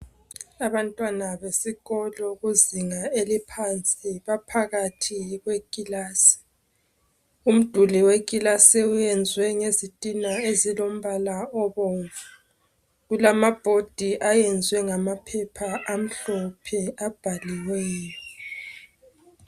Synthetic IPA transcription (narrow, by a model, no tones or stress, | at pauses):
aβantʼwanaβesiɣɔlɔɣuziŋaelipʰant͡sʼiβapʰaɣatʰiɣwekʼilaːsi̥ | um̩d̥ʱuliwekʼilasiujɛnd͡zʱwɛŋezitʼinaezilom̩βalaɔβɔːɱvu | ɣulamab̥ʱod̥ʱiʔajɛnd͡zʱwɛŋamapʰɛpʰaʔam̩ɬɔpʰɛab̥ʱaliwɛjɔ